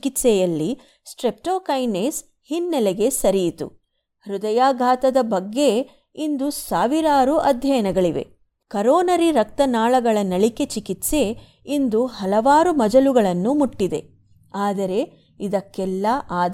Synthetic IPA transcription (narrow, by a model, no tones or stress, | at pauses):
kit̪sɛjɐlːi | sʈɾep̚ʈoːkɐjnes | hinːɛleɡe̞sɐɾijit̪ṵ | ɾud̪ɐjaːɡʱaːt̪ɐd̪ɐbɐɡːe̞ | ind̪usaːʋiɾaːɾuʔɐd̪ʱjɐjɐnɐɡɐɭiʋe̞̰ | kɐɾoːnɐɾiɾɐk̚t̪ɐnaːɭɐɡɐɭɐnɐɭike̞t͡ʃikit̪se̞ | ind̪uhɐlɐʋaːɾumɐd͡ʒɐluɡɐɭɐnːumuʈːid̪e̞ | aːd̪ɐɾe̞ | id̪ɐkːɛlːɐʔaːd̪